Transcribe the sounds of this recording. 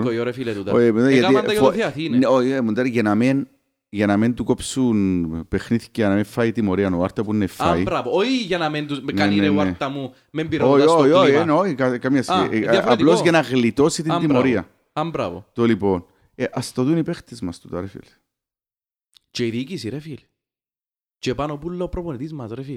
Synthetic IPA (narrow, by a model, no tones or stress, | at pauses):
ojoɾefilet̪ut̪ojemud̪aind̪ajiaθinnoiemund̪aɾiʝenamen | ʝanament̪ukopsunpexniθi̥cːenamefːait̪imoɾiɐnoaɾt̪ɐpunːefːaibɾavooiʝanamend̪unkaeienaeɾt̪amu | membiɾooj̪oioienoikakamjɐsiʔfaplozʝanaɣlit̪osit̪it̪imoɾiɐ | ambɾa̰vo̰t̪olipon | eʔast̪oðunipext̪ezmɐst̪ut̪ɐɾefḭl | t͡ʃeiðikisiɾefil | t͡ʃepanopulːɐopɾoponit̪izmɐsɾefil